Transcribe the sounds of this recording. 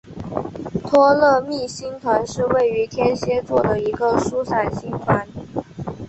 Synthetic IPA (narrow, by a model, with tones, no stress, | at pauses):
t̪ʰwɔ˥lɤ˥˧mi˥˩ɕi˥ŋt̪ʰwa˧˥nʂɻ̩˥˧we˥˩ɪy˧˥t̪ʰjɛ˥nɕjɛ˥t͡swɔ˥˩d̪ə˩i˧˥ɡə˧ʂu˥sʰa˨˩nɕi˥˩ŋfa˥n